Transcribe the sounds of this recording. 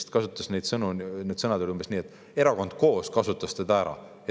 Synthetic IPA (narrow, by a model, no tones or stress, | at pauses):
st̪kɑsut̪ːˑɑsne̞jd̪sɤnuned̪̥sɤnɑd̪elumb̥esniːet̪ːˑ | e̞ɾɑko̞nd̪̥̚ko̞ːskɑsut̪ːˑɑst̪ed̪ɑæɾɑ̰ | e